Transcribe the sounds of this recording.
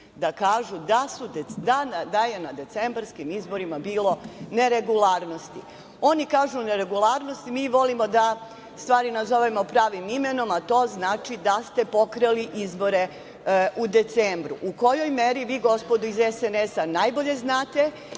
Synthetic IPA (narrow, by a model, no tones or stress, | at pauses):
d̪akaːʒud̪asud̪ed̪anad̪aje̞nad̪e̞t̪sembɾskimizbo̞ɾimabiːlˠo̞ne̞ɾe̞ɡulˠaːɾno̞st̪i | o̞nikaːʒuneɾe̞ɡulˠaːɾno̞st̪imiːʋo̞limo̞d̪a | st̪ʋaːɾinazo̞ʋemo̞pɾaːʋimime̞no̞mat̪o̞ːznaːt͡ʃid̪ast̪e̞po̞kɾeliʔizbo̞ɾe̞ | ud̪e̞t̪seːmbɾuʔuko̞jo̞jme̞ɾiʋiːɡo̞spo̞d̪uizesenesanajbo̞ʎe̞znaːt̪e̞